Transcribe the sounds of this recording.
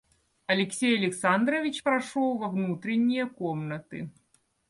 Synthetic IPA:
ɐlʲɛksʲejɐlʲɛksand̪ɾɐvʲit͡ɕpɾaʂɔwvɐvnut̪ɾɛnʲːijɐkɔmnɐt̪ɨ̰

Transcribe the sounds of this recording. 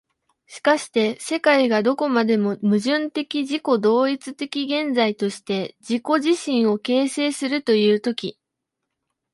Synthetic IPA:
ɕi̥kaɕi̥t̪e̞se̞kaiɡad̪o̞ko̞mad̪e̞mo̞mɯ̟ʑɨ̃nt̪e̞kʲiʑiko̞d̪o̞ːit͡sɨt̪e̞kʲiɡẽ̞nd͡zait̪o̞ɕi̥t̪e̞d͡ʑiko̞ʑiɕĩɰ̃o̞ke̞ːse̞ːsɨɾɯ̟t̪o̞jɯ̟ːt̪o̞kʲi

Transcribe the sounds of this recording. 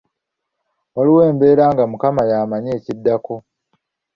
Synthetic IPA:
waliwe̞ːmbe̞ːɾaːŋɡamukamajaːmaɲe̞ːcidːako̞

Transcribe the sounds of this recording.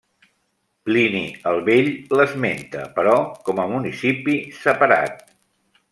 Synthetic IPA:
pliniəlˠβeʎləzment̪ə̰pəɾɔkɔməmunisipisəpəɾa̰t̪̚

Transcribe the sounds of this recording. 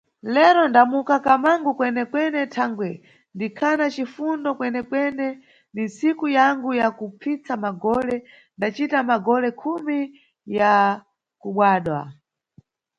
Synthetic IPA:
lɛɾɔndamukakamaŋɡukwɛnɛkwɛnɛtʰaŋɡwɛ | ndikʰanat͡ʃifundɔkwɛnɛkwɛnɛ | nin̩sikujaŋɡujakupʰit͡samaɡɔlɛ | ndat͡ʃitamaɡɔlɛkʰumi | ja | kuɓwaːɗwa̰

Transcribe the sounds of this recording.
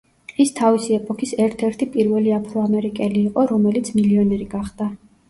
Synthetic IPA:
ist̪ʰavisiɛpʼɔkʰisɛɾt̪ʰɛɾt̪ʰipʼiɾvɛliapʰɾɔamɛɾikʼɛliːqʼɔɾɔmɛlit̪sʰmiliɔnɛɾiɡaχd̪̥a

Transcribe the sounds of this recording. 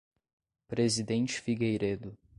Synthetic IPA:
pɾezid̪ẽnt͡ʃɪ̥fiɡejɾed̪ʊ

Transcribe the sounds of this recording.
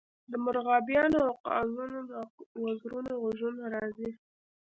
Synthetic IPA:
d̪əmʊɾɣɑbjɑnoawqɑ̰zunowazɾunoɣʊʒunaɾɑzi

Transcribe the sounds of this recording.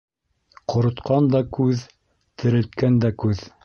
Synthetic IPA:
qŏɾɤ̆t̪qʰɑnd̪ɑkʉð | t̪ɘ̆ɾɘ̆lt̪̚kænd̪ækʉð

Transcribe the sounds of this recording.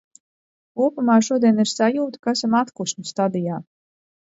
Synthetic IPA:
kuɔpamaːʃuɔd̪iɛniɾsajuːt̪u̥kaæsamat̪kuʃnʲust̪ad̪ijaː

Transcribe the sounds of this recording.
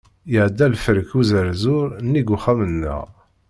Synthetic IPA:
jəʕd̪ːælfəɾəkuzəɾzʊɾnːiɡʊχæmənːə̰ʁ

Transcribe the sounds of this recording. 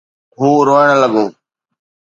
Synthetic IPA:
ɦuːɾoːəɳ̃ələɠoː

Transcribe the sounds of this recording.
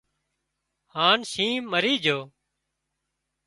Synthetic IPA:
haːnsĩːməɾiːd͡ʒʱoː

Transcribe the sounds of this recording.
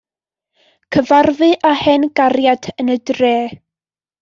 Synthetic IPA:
kʰəvarvɨʔahɛnɡaɾjadʰənədreː

